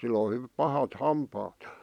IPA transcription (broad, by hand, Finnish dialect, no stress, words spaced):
sil o h pɑhɑt hɑmpɑːt j̊ɑ̥